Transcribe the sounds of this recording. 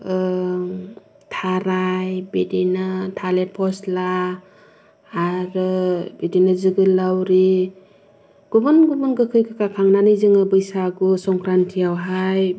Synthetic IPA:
tʰaɾajbedinatʰalet̚pʰɔsla | ɾɯbedinɯzɯɡɯlːawɾi | ɡ̥ubɯnɡubɯnɡɯkʰɯjkʰakakʰaŋnanɯjzɯŋɯbɯjsaɡusɔŋkɾantʰiawɦaj

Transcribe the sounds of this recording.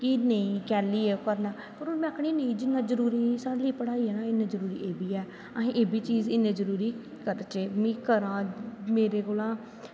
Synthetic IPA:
kinəĩːkɛːliːekəɾnãː | pəɾoːmɛ̃ːəkʰɽ̃inəĩːd͡ʒɪnːãːzəɾuːɾiːsaːɽliːpəɽaːiːɛːnaːɪnẽːzəɾuːɾḭːʔeːbiːɛː | əɦẽʔeːbiːt͡ʃiːzɪnẽːzəɾuːɾiː | kəɾt͡ʃeːmĩːkəɾãːmeːɾeːkolãː

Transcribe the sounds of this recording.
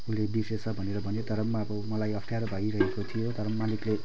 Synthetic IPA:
ulebisesʰʌbʱʌneɾʌbʱʌnet̪ʌɾʌmːabʌmʌlajʌpʰʈʰijaɾbʱʌiɾʌɦekot̪ʰijot̪ʌɾʌmːanikle

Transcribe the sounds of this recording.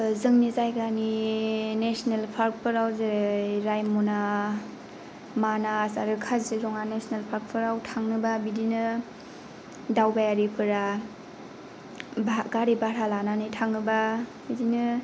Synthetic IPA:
zɯŋnizajɡaninesnelpʰaɾk̚pʰɯɾawzeɾajmuna | manasaɾɯkʰazzeɾɔŋanesnelpʰaɾk̚pʰɯɾawtʰaŋnɯbabidinɯ | dawbajaɾipʰɯɾa | baɡaɾibaɾalananitʰaŋnɯbabidinɯ

